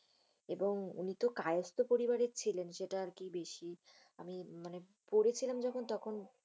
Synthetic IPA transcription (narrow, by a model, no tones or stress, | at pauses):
eboŋṵnit̪okajost̪opoɾibaɾet͡ɕʰilenʃeʈaaɾkibeʃi | a̰mimane | poɾet͡ɕʰilamd͡ʑɔkʰont̪ɔkʰon